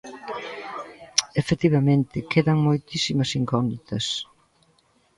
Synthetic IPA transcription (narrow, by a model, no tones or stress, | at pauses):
efet̪iβɐmẽnt̪ɪkeðɐŋmojt̪isimɐsiŋkɔnd̪it̪ɐs